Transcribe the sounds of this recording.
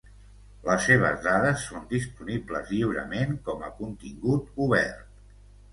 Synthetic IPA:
ləsːeβ̞ə̰zðaðəsːond̪ispunibləzʎiwɾə̰meŋkɔməkunt̪iŋɡut̪uβɛ̰rt̪̚

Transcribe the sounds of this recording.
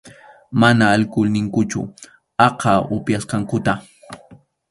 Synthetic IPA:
manaːlkʊlnɪŋkʊt͡ʃʊ̰ | ɑqɑʊpjasqɑŋkʊt̪a

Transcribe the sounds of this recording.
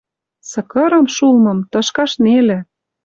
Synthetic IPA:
sɤ̆kɤ̆ɾɤ̆mʃulmɤ̆mt̪ɤ̆ʃkɑʃnelĕ

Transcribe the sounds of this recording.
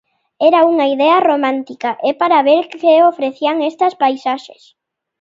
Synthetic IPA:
ɛɾauŋaiðɛɐromãnt̪ikaʔepaɾaβeɾkeofɾeθiaŋest̪ɐspajsaʃḛs

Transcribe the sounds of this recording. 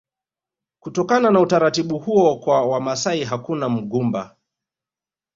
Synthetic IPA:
kutɔkananautaɾatiɓuhuɔkwawamasaiɦakunam̩ɠumba̰

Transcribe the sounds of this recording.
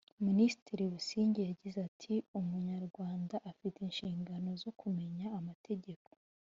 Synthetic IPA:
minisi̥tiɾiβusiːɲɟejaɟizatʰiumuɲaɾɡwaːndaʔːfiteinʃiːŋɡano̞zo̞kʰume̞ɲaːmatʰe̞ɟe̞ko̞̥

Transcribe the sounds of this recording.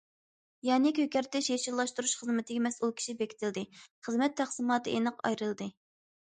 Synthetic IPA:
jɑːnɪkʲʰøkʲɛɾt̪ɛʃeʃiɾlˠɑʃt̪uɾuʃχəzmɪt̪ʰɪɡʲɛmɛsulˠkʲʰi̥ʃibekʲʰi̥t̪ʰɪld̪ɨχəzmɛt̪ʰːæχsɨmɑːt̪ɨʔenɨqɑ̰jɾɨlˠɨd̪ɨ

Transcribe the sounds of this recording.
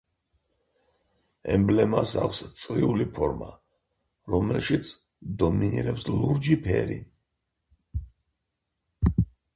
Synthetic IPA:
ɛmblɛmasakʰʷst̪sʼɾiulipʰɔɾma | ɾɔmɛlʃit̪sʰ | d̪ɔminiɾɛpsluɾd͡ʒipʰɛɾi

